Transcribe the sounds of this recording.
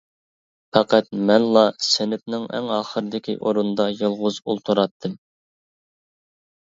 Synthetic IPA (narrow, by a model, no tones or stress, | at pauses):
pɛqɛt̪̚mɛnlˠɑsenɪp̚nɪŋɛ̰ŋɑːχəɾɨd̪ɪkʲʰḭʔoɾund̪ɑjɨlˠʁʊzulˠt̪ʰuɾɑt̪ʰːɨm